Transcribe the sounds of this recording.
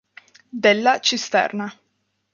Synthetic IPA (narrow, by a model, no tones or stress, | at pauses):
d̪ɛlːat͡ʃist̪ɛ̰rna